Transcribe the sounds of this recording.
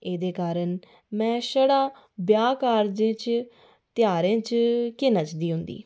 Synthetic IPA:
eːd̪eːkaːɾən | mɛ̃ːʃəɽaː | bjaːkaːɾd͡ʒẽːt͡ʃ | t̪ɪjaːɾẽːt͡ʃkɪnət͡ʃd̪iːɦʊnd̪ḭː

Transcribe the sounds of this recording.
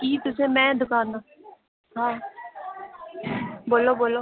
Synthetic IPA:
kiːt̪ʊsẽːmɛ̃ːd̪ʊkaːnd̪ã | ɦãː | boːloːboːloː

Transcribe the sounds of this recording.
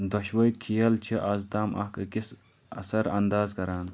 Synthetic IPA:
d̪ɐʃwɐjkʰijɐlt͡ʃʰiʔɐzd̪aːmʔɐ̰hkɐkis | ɐ̰sɐɾɐnd̪aːzkɐɾaːn

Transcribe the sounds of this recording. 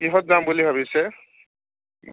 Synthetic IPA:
kiɦɔt̚zambulibʱaβisɛ

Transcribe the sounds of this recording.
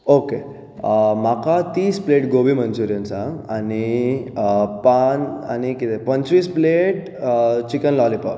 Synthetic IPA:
oke | makat̪iːspleʈɡobimənsuɾjənsãani | pana̰nikit̪epənt͡ɕɾispleʈ | t͡ɕikənlɔlipa̰

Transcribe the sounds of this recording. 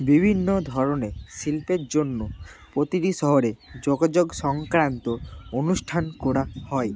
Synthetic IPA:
bibʱinːod̪ʱɔɾonesilpeɾd͡ʒonːopɾot̪iʈisɔɦɔɾed͡ʒoɡad͡ʒoɡsɔŋkɾant̪oonusʈʰankoɽahɔe

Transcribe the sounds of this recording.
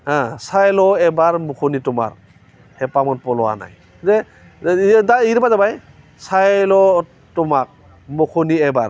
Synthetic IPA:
ãsajlɔɛbaɹmukʰunitʊma̰ɹ | hɛpamɔnpɔlɔwa̰na̰j | zɛ | daiɾbazabaj | sajlɔ | tʊmak̚ | mukʰuniɛba̰ɹ

